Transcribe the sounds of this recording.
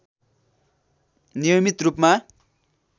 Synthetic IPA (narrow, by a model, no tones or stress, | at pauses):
nijomit̪rupma